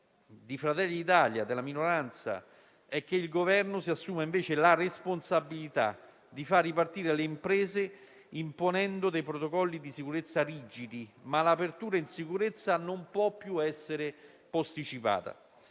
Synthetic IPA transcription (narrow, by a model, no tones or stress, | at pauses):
d̪ifɾat̪ɛlːiit̪aljad̪elaminoɾant̪sa̰ | ɛk̟ːeilɡovɛrnʊsiasːuːmaiɱveːt͡ʃelaresponsabːilit̪a̰ | d̪ifarːipart̪iːɾeleimpɾɛːze | imponɛnd̪od̪ejpɾot̪okɔlːid̪isikuɾet̪sːariːd͡ʒid̪imalaːpert̪uːɾainsikuɾet̪sːanompwɔpːjuɛsːeɾɪ | post̪it͡ʃipa̰ːt̪a̰